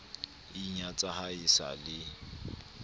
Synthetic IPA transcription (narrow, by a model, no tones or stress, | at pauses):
iɲat͡sʼahaisa̰lɪ